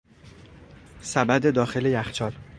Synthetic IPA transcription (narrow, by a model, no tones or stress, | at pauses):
sæbæd̪e̞d̪ɒːxe̞le̞jæxt͡ʃʰɒːl